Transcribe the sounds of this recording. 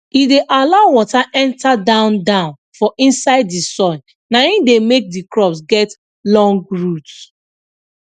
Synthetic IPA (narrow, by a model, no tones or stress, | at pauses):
ideʔalaʊwɔtaʔɛ̃ntadãʊ̃ndãʊ̃n | fɔʔĩnsaɪddisɔ̃n | naĩdemek̚dikɹɔpsɡɛt | lɔ̃ŋɡɹut